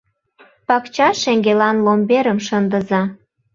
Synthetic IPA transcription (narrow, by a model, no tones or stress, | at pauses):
pɑkt͡ɕɑʃeŋɡelɑnlombeɾəmʃənd̪ə̆zɑ